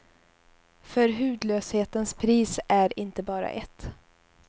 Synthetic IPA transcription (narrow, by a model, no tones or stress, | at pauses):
fœɾɦʉ̟ːd̪løːsheːt̪ənspʰɾiːsæɾɪnt̪əbɑːɾa̰ʔɛt̪ː